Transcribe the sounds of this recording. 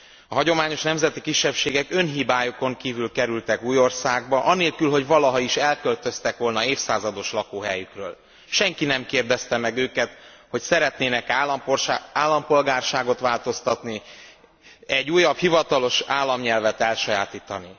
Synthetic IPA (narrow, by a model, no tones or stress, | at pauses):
ɒɦɒɟo̞maːɲo̞ʃnɛmzɛt̪ikiʃːɛpʃeːɡɛkø̞nɦibaːjo̞ko̞ŋkiːvylkɛɾylt̪ɛkuːjo̞rsaːɡbɒʔɒneːlkylɦo̞ɟvɒlɒɦɒiʃɛlkø̞lt̪ø̞st̪ɛkʋo̞lnɒeːfsaːzɒd̪o̞ʃlɒkoːɦɛjykrøːl | ʃɛŋkinɛmkeːrd̪ɛst̪ɛmɛɡøːkɛt̪ho̞csɛɾɛt̪neːnɛkːpaːlːɒmpo̞lɡaːrʃaːɡo̞t̪ʋaːlt̪o̞st̪ɒt̪ni | ɛɟːuːjɒbhivɒt̪ɒlo̞ʃaːlːɒmɲɛlvɛt̪ɛlʃɒjaːt̪iːt̪ɒni